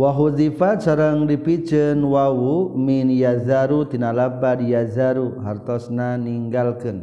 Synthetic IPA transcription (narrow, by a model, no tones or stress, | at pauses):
waɦuzifat͡ʃəɾəŋɾipit͡ʃənwawuminjazaɾut̪inalap̚badjazaɾuɦaɾt̪ɔsnaniŋɡalkɨn